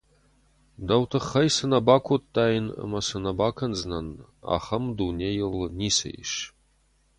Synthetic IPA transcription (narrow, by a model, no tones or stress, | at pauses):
dɐwt̪ʰɨχɐjsɨnɐbaːkʷʰot̪ʼːaːjnə̰mɐsɨnɐbaːkʰɐnznɐna̰χɐmd̪unʲejɪlniːsɐ̰jɪ̰ʃ